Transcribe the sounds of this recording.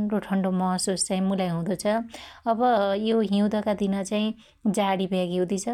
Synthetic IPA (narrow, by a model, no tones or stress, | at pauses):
roʈʰʌɳɖomʌsust͡saĩmulajɦũd̪ʌt͡sʰʌʌbʌjoɦiw̃d̪ʌkad̪inʌt͡saĩ | d͡zaɽibʱeaɡewd̪it͡sʰʌ